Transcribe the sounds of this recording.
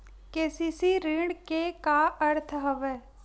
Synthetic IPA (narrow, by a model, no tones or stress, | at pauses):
keːsisiɾiːɖkekaəɾt̪ʰəɦəʋɛː